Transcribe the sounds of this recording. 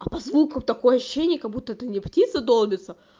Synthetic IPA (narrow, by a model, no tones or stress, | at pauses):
ɐpɐzvukəmt̪ɐko̞jəɐɕʊ̥ɕːenʲɪjəkɐɡ̚but̪ːəɛt̪ənʲɪptʲit̪səd̪olˠmʲɪt̪sə